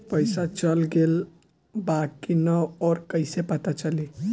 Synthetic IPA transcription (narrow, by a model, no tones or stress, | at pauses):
pəɪsat͡ʃəlɡel | bakinəɔːɾkəɪsepət̪at͡ʃəli